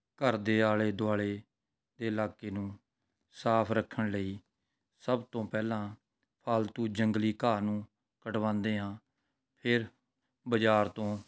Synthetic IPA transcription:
kəɾd̪eːaːleːd̪ʊaːɭeː | d̪eːɪlaːkeːnũː | saːpʰɾəkʰːəɳləiː | səbt̪õːpɛːlãː | pʰaːlt̪uːd͡ʒəŋɡliːkaːnũː | kəʈʋãːnd̪eːɦãː | pʰɪɾ | bəd͡ʒaːɾt̪õː

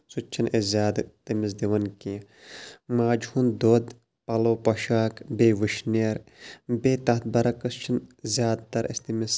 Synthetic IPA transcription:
sut͡ʃt͡ʃʰinezʲjaːd̪t̪imɪs̬d̪iʋɐnkĩ | maːd͡ʒhund̪oːd̪ | pɐloːpɐʃaːkbeːʋɨʃneɾbeːt̪ɐt̪̚bɐɾɐkɐst͡ʃʰinzʲjaːd̪t̪ɐɾɐ̰st̪imɪs

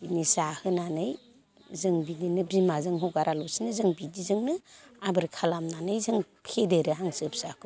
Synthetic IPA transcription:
inisahɯnanɯj | zɯŋbidinɯbimazɯŋɦɔwɡaɾʔalɔsinɯzɯŋbidizɯŋnɯabɯɾkʰalamnanɯjzɯŋ | pʰedeɾɯɦaŋsɯp̚sakʰɯ

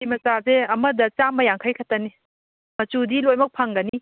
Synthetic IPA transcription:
imɐsazeɐmɐdɐt͡ʃamɐjaŋkʰajkʰatɐni | mɐt͡ʃudilojmɐk̚pʰaŋɡɐni

